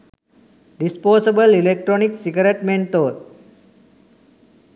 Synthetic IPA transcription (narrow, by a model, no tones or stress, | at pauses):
ɖispoːsebəlilek̚ʈɾoniksiɡəɾeʈmẽɳt̪oːt̪̚